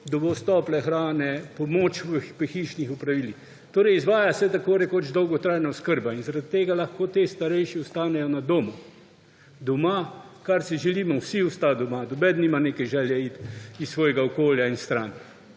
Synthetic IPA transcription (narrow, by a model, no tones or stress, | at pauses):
d̪ɔbɔst̪ɔːplɛxɾaːnɛpɔmoːt͡ʃʋəpɛxiːʃnixupɾaʋiːlix | t̪oːɾɛjizʋaːjasɛt̪akoːɾɛkod͡ʒd̪ɔwɡɔt̪ɾaːjnaɔskəɾbainzaɾad̪t̪eːɡalaxkoːt̪est̪aɾɛjʃiɔst̪aːnɛjɔnad̪oːmu | d̪ɔmakaɾsiʒɛliːmɔwsiʊst̪ad̪ɔmad̪ɔbɛd̪niːmaneːkɛjʒɛːljɛit̪issːʋɔːjɛɡaɔkoːljainst̪ɾaːn